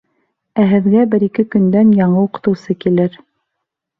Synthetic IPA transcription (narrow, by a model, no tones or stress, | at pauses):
æɦɘ̆ðɡæbɘɾikɘkɵ̆nd̪ænjɑɴɤuqɤ̥̆t̪ɤ̆wsɤkilɘɾ